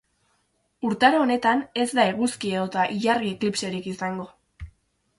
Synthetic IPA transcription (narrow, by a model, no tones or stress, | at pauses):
uɾt̪aɾoːne̞t̪ane̞zd̪aeɣuskieot̪aʔiʎaɾɣieklipse̞ɾikisaŋɡo̞